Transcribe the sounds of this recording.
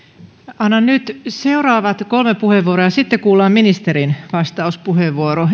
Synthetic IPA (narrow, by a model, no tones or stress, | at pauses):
ɑnːɑnnyt̪seurɑːʋɑt̪kolmepuheʋːuoɾojɑsit̪ːekuːlːɑːmminist̪eɾinʋɑst̪ɑuspuheʋːuoɾo